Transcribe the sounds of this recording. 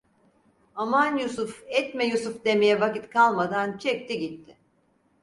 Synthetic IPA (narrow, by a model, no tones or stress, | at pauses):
amanjusufɛt̪mɛjusufd̪e̞mejɛvakit̪kʰalˠmad̪ant͡ʃʰɛk̚t̪ʰiɟit̪ʰːɪ